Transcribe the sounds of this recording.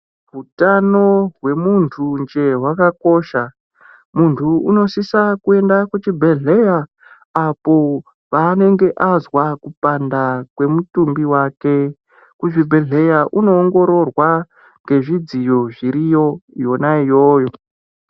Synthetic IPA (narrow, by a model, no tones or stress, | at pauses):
ɦutano̞ɦwe̞muntʰund͡ʒe̞ɦwakako̞ʃa | muntʰuuno̞sisakue̞ndakut͡ʃibʱe̞ɮe̞jaː | po̞ | paːne̞ŋɡe̞ʔazwakupandakwe̞mutumbiwake̞ | kut͡ʃibʱe̞ɮe̞jaʔuno̞ːŋɡo̞ɾo̞rwa | ŋɡe̞ʐid͡zijo̞ʐiɾijo̞jo̞naijo̞ːjo̞